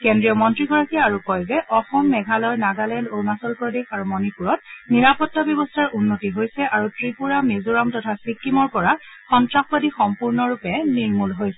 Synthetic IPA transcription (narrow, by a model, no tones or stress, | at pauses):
kɛndɹiɔmɔntɹiɡɔɹakiaɹukɔjzɛʔɔxɔmːɛɡʱalɔjnaɡalɛndonasɔlpɹɔdexaɹumɔnipuɹɔt̚niɹapɔtːabjɔbɔstʰaɹunːotiɦojsɛʔaɹutɹipuɹamezuɹamtɔtʰasikːimɔɹpɔɹa | xɔntɹaxbadixɔmpuɹnɔɹupɛniɹmulɦojsɛ